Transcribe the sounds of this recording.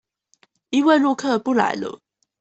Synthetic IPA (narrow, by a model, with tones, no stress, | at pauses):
i˥˦we˥˧ɪlu˥˧kʰɤ˥˨pu˥˩la̰˨˥˦ɪlə̰˧˦